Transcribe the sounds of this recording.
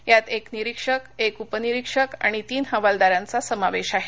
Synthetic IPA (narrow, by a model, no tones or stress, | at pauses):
jat̪ekniɾikʂəkekupəniɾikʂəka̰ɽ̃it̪iːnɦə̃ʋald̪aɾjãnt͡sasəmaʋeɕaɦe